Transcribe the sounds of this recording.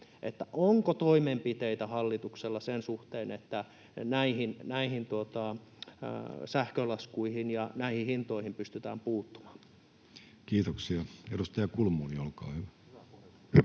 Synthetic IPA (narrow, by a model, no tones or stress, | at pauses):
ʔḛt̪ːæʔoŋkot̪oimempit̪eit̪æhɑlːit̪ukselːɑsensuht̪eːnet̪ːæ | næihinnæihint̪uot̪ɑ̰ | sæhkølɑskuihinjɑnæihihint̪oihimpyst̪yt̪æːmpuːt̪ːu̥mɑ̥ | kiːt̪oksiɑedust̪ɑjɑkulmuːniolkɑ̰ːhyʋæ